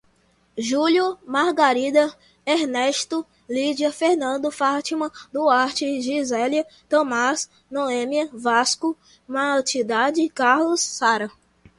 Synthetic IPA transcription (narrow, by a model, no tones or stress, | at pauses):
ʒuljʊmaɾɡaɾid̪ɐ | eɾnɛʃt̪ʊ | lid͡ʒiɐfeɾnɐ̃nd̪ʊfat͡ʃimɐ̃d̪ʊaɾt͡ʃɪʒizɛliɐt̪ɐ̃mas | noẽmiɐvaskʊ | mat͡ʃid̪ad͡ʒɪkaɾlʊsːaɾɐ